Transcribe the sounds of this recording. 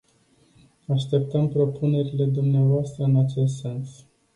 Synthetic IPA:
aʃt̪e̞p̚t̪əmpɾo̞pune̞ɾile̞d̪umneavoast̪ɾəɨnat͡ʃe̞s̬t̪se̞ns

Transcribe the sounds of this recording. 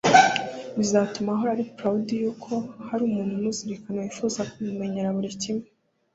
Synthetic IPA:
βizatumaɦoɾaɾipɾaudijukʰo̞haɾuːmuːnhumuziɾikanewifuzakumume̞ɲe̞ɾaβuɾicime

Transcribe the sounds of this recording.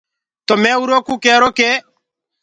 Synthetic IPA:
tɔmɛuɾokukɛɾoke

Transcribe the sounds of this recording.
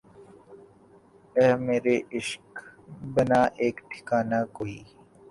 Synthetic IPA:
emeːɾeʔɪʃkbɐnaːʔeːkʈʰɪ̥kaːnaːkoːiː

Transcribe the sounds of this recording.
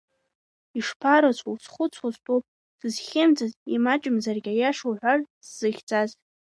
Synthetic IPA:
iʂpʰaɾat͡sʷʰowsχʷʊt͡sʷʰwazbʼowpʼ | d̥ɨzχʲemd͡zazimat͡ʃʼɪmzarɡʲajaʂoħʷarzz̥ɨχʲt͡sʼaz

